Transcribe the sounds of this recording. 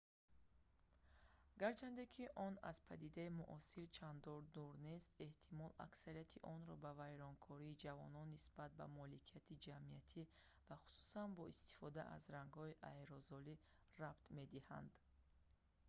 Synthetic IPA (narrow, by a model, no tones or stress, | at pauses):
aɡaɾt͡ʃʰand̪ekʰiʔɔna̰z̥pʰad̪id̪aimuʔɔsiɾt͡ʃʰand̪ɔɾd̪uɾne̞st̪e̞ht̪ʰimɔla̰ksaɾijat̪ʰiʔɔnɾɔbavajɾɔŋkʰɔɾiːd͡ʒavɔnɔnːisbat̪̚ba̰mɔlikʰijat̪ʰid͡ʒamiat̪ʰi | vaχu̥su̥sanbɔist̪i̥fɔd̪aʔa̰zɾaŋɡhɔiʔajɾɔzɔli | rabt̪me̞d̪iha̰nd̪